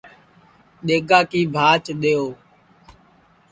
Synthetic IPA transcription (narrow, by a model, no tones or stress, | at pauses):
ɗeːɡaːkiːbʱaːt͡ʃɗeːoː